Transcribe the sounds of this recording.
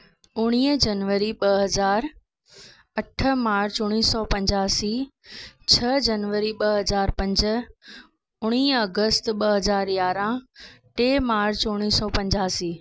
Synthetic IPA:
ʊɽ̃iːd͡ʑɐnʋəɾiɓɐɦɐzaːɾ | ɐʈʰəmaːɾt͡ɕʊɽ̃iːsɔpɐ̃ɲd͡ʑaːsiː | t͡ɕʰɐd͡ʑɐnʋəɾiɓɐɦɐzaːɾpɐ̃ɲd͡ʑə | ʊɽ̃iːɐɡəst̪ɓɐɦɐzaːɾjaːɾãʈeːmaːɾt͡ɕʊɽ̃iːsɔːpɐ̃ɲd͡ʑaːsiː

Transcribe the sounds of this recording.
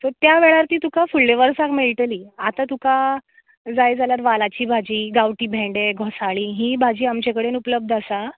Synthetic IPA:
t̪əɾt̪jaʋeɭaɾt̪iːt̪ukafulːeʋəɾsakmeɭʈəliːat̪at̪uka | d͡zajd͡zaljaɾʋalat͡ɕiːbʱad͡ʑiːɡawʈiːbʱɛ̃ɳɖeɡʱɔsaɭiːɦĩːbʱad͡ʑiːamt͡ɕekəɽenupləb̚d̪ʱasa

